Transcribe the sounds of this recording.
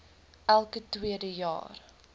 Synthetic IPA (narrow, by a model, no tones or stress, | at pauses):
ʔælˠkətwiədəjɑ̰ːr